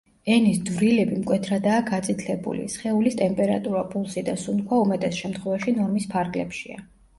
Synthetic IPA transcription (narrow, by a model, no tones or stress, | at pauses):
ɛnisd̪vɾilɛbimkʼwɛt̪ʰɾad̪aːɡat̪sʼit̪ʰlɛbṵlḭsχɛulist̪ʼɛmpʼɛɾa̰t̪ʼuɾapʼulˠsid̪asunkʰwaumɛt̪ʼɛsʃɛmt̪χwɛvaʃinɔɾmispʰaɾɡlɛ̰pʃḭa̰